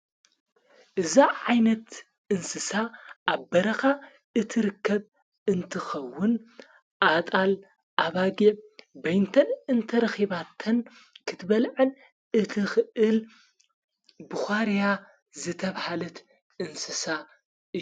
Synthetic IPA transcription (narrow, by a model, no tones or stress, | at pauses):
ʔɨzaʕajnɐt̪ | ʔɨnsɨsaʔːβbɐɾɐxa | ʔɨt̪ʰɨɾɨkʰːɐβ | ɨnt̪ʰɨxɐwːʊn | ʔat̪ʼal | ʔaβaɡibɐjnt̪ʰɐnɨnt̪ʰɐɾɐxiβat̪ʰɐn | kʰɨt̪ʰbɐlʕɨl | ɨt̪ʰɨxɨʔɨl | bɨxʷaɾija | zɨt̪ʰɐβhalɐt̪ | ɨnsɨsa | ɨ